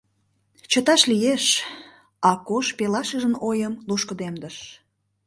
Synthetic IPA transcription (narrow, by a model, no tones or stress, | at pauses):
t͡ɕət̪ɑʃlijeʃ | ɑkoʃpelɑʃəʒənojəmluʃkəd̪emd̪əʃ